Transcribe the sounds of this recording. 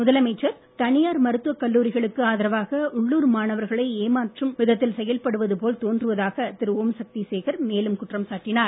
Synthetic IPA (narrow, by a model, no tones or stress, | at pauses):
mʊðɐlɐmɐɪt͡ʃːɐɾ | t̪ɐnɪjaːɾmɐɾɯt̪ːɯʋɐkːɐlːuːɾɪɣɐɭɯkːɯaːðɪɾɐʋaːɣɐʔʊɭːuːɾmaːnɐʋɐɾɣɐɭɐɪeːmaːʈrɯmʋɪðɐt̪ːɪlsɛjɐlpɐɽɯʋɐðɯpoːlt̪oːndrɯʋɐðaːɣɐt̪ɪɾɯʋoːmsɐk̚t̪iseːɣɐɾmeːlɯmkʊʈːrɐmsaːʈːɪnaːɾ